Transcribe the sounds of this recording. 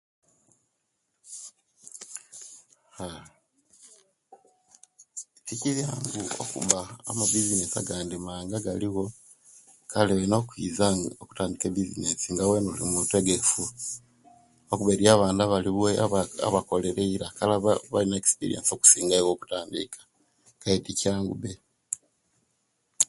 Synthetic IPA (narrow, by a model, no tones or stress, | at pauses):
ha | tikizjaŋɡuo̰kṵβa̰ːmaβizinesa̰ɡaːndimaːŋɡaɡaliɣo̞ | kʰaleenokwiːzaoku̥taːndikeβizinesiŋɡawenolḭmuteɡe̞fu | okuβeɾiaːβaːndaβaliβweaa̰βako̞leɾeiɾakalaβaβalinaekspḭɾḭenso̞ku̥siːŋɡaiɣo̞ːku̥taːndḭkḁ | kaiticiaːŋɡṵβe